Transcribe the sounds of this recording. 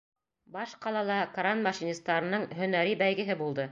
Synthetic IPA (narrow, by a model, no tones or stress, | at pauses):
bɑʃqɑlˠɑlˠɑkɾanmɑʃinʲist̪ɑɾɤ̆nɤɴɦɵ̆næɾibæjɡɘ̆ɦɘbulˠd̪ɤ